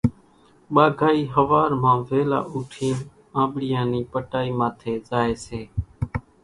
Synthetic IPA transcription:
ɓaːɡʱaːiːɦəʋaːɾmãːʋeːla̰ːʔuːʈʰiːn | ãːɓɽɪjãːniːpəʈaːiːmãːt̪ʰeːzaːeːseː

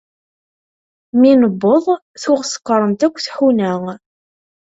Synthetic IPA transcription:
minəbːoðˤ | θuʁsə̥qːəɾˤəmt̪ækʷːθħunæŋ

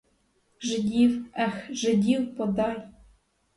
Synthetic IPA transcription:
ʒɘ̆d̪ʲiwæxʒɘ̆d̪ʲiwpod̪ɑj

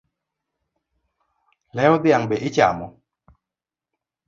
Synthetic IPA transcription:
lɛɔd̪ɪaŋbeʔɪt͡ʃa̰mɔ

